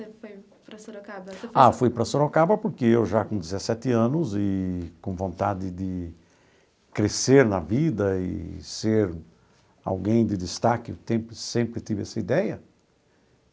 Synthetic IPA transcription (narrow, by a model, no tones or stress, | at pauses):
fj | pɐsoɾkaafujpɾɐsoɾakabɐpoɾkeewʒakõd̪ɪzesɛt̪ɪɐ̃nʊzɪkõvõnt̪ad̪ɪd̪ɪ | kɾeseɾnɐvid̪ɐɪ̰seɾ | a̰wɡẽj̃d̪ɪd̪ɪst̪akɪʊt̪ẽmpɾɪsẽmpɾɪt̪ivɪɛsɐid̪ɛjɐ